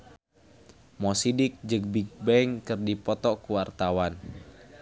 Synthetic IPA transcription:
mɔsidɪk̚d͡ʒək̚bik̚bɛŋkɨrdipɔt̪ɔkuwart̪awan

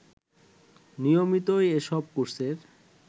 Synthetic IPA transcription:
nijomit̪ojeʃɔb̚kuɾseɾ

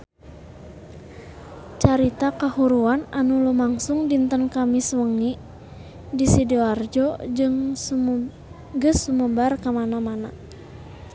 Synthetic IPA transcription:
t͡ʃaɾit̪akahuɾuananulumaŋsuŋdint̪ənkamiswəŋi | disidiɔard͡ʒɔd͡ʒɨŋ | ɡɨsːuməbarkamanamana

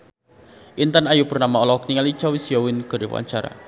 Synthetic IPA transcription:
ʔint̪anajupurnamaɔlɔk̚niŋali̥t͡ʃawisijawɪnɡ̥ə̤ɾiw̰a̰ɲt͡ʃaɾa̰

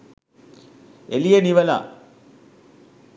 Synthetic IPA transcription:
elijeniʋɐla̰ː

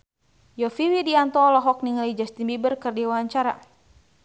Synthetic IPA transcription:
jɔfiwidiant̪ɔlɔɦɔk̚niŋalid͡ʒast̪inbibərkɨrdiwaaɲt͡ʃaɾa̰

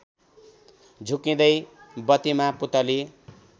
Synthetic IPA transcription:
d͡zʱukĩd̪ʌjbʌt̪imaput̪ʌli

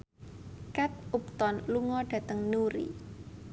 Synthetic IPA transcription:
kat̪̚up̚t̪ɔnluŋɔɖ̥ä̤t̪əŋnuɾḭ

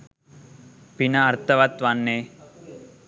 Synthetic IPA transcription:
pinɐːɾt̪ɐʋɐt̪ʋɐnːeː

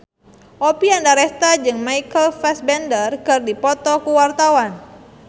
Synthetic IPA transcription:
ʔopiandaɾɛst̪ad͡ʒɨŋmaikəlfɛsbɛndərkɨrdipɔt̪ɔkuwart̪awan

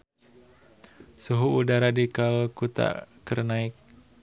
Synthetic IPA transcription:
suɦuːdaɾadikalkut̪a̰kərnaɪk̚

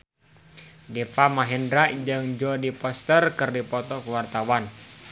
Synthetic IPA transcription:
difamaɦɛndɾaʔd͡ʒɨŋd͡ʒɔdipɔst̪ərkɨrdipɔt̪ɔkuwart̪awan

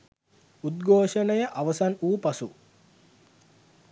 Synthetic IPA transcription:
ud̪ɡʱoːʂənəjəʔaʋəsanuːpasu

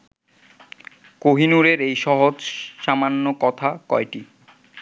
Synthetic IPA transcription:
koɦinuɾeɾejʃɔɦod͡ʑʃamanːokɔt̪ʰakɔjʈi

